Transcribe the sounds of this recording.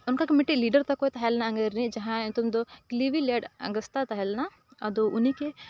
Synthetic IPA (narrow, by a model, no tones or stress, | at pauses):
unkakemiʈːiliːɖɐɾt̪ɐkːot̪ɐɦelnaɐŋɡɐɾnid͡ʒɐɦãt̪umd̪ukliʋileːɖɐ̰ŋɡɐst̪at̪ɐɦelna | ɐd̪uʔunike